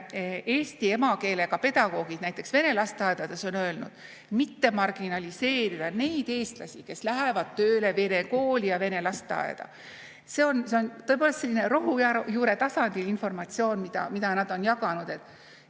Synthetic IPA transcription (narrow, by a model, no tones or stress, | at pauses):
e̞ːsʲt̪ie̞mɑke̞ːle̞kɑpe̞d̪̥ɑɡ̥o̞ːɡ̥id̥̪næjt̪ːˑe̞ksve̞ne̞lɑst̪ɑed̪ɑd̪eso̞nøelnud̪̥ | mit̪ːe̞mɑrɡ̥inɑlʲise̞ːɾid̪̥ɑne̞jd̪̥e̞ːst̪lɑ̰sʲike̞slæɦevɑd̪̥̚t̪øːle̞ve̞ne̞ko̞ːlʲijɑve̞ne̞lɑst̪ɑ̰ḛd̪̥ɑ̰ | se̞o̞nseo̞nt̪oepolest̪se̞lːineɾo̞ɦujɑjuːɾe̞t̪ɑsɑnd̪̥ilinfo̞rmɑt̪sio̞ːnmid̪̥ɑ̰mid̪ɑnɑd̪o̞njɑɡɑnud̪̥e̞t̪ːˑ